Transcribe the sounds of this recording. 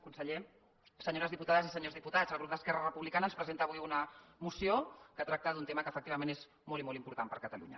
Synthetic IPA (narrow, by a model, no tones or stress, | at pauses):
kunsəʎe | səɲoɾəzðiput̪aðəzisəɲozðiput̪azəlˠɣup̚d̪əskɛrərəpuβlikanəːnspɾəzent̪əːβujunəmusiokət̪ɾak̚t̪əðunt̪eməkəːfək̚t̪iβəmẽnez | molimolˠimpuɾt̪ampəɾkət̪əlṵɲə̰